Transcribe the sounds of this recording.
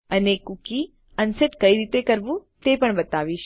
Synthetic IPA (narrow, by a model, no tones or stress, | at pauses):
ənekuki | ənseʈkəiɾit̪ekəɾʋũt̪epəɳbət̪aʋiʃ